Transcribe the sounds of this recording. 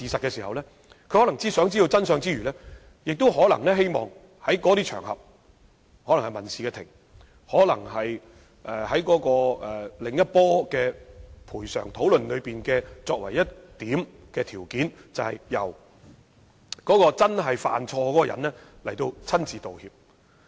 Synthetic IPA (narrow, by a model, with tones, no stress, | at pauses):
siː˨sɐ˨t̚kɛː˧siː˨˩hɐ˨wlɛː˥ | kʰɵ˨˧hɔ˨˥lɐ˨˩ŋt͡siː˥sœː˨˥ŋt͡siː˥o˧wt͡sɐ˥nsœː˨˧ŋt͡siː˥ɥyː˨˩lɛː˥ | jɪ˨k̚t̪o˥wɦɔː˨˥lɐ̰˨˩ŋlɛː˥ɦe˥jmɔ̰ː˨ŋ | hɐ˨˥jkɔ˨˧˥t̪iː˥t͡ʃʰœ̰ː˨˩ŋhɐ̰˨p̚ | hɔː˨˥lɐ˨ŋhɐ˨jmɐ˨˩nsiː˨kɛː˧t̪ʰɪ̰˨˩ŋ | hɔː˨˥lɐ˨˩ŋhɐ˨j | ʔɛː˨hɐ˨˥jkɔː˨˥kɔː˧ɛ˨lɪ˨ŋjɐ˥t̚pɔː˥kɛː˧pʰuː˨˩jsœ̰ː˨˩ŋt̪ʰo˨˥wlɵ˨nlɵ˨˧ɥpiː˨nkɛː˧t͡sɔː˧k̚wɐ̰˨˩jːɐ˥tt̪iː˨˥m | kɛː˧t̪ʰiː˨˩wkiː˨˥nt͡sɐ˨whɐ˨jjɐ̰˨˩w | kɔː˨˥kɔː˧t͡sɐ˥nɦɐ˨jfa̰ː˨nt͡sʰɔː˧kɔː˨˦˥kɔː˧jɐ̰˨˩nlɛː˥lɐ˨˩jt̪o˧wt͡sʰɐ˥nt͡siː˨t̪o˨whiː˧p̚